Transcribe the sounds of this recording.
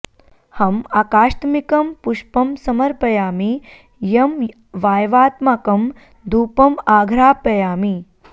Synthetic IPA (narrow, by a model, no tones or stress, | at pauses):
hɐmaːkaːʃt̪mikɐmpuʃpɐmsɐmɐɾpɐjaːmi | jɐm | ʋaːjʋaːt̪maːkɐm | d̪ʱuːpɐmaːɡʱɾaːpɐjaːmi